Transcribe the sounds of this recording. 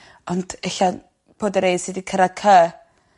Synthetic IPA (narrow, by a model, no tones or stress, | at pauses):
ɔnd̥ɪɬan | b̥oːdəɾejdsidikʰəɾad̚kʰə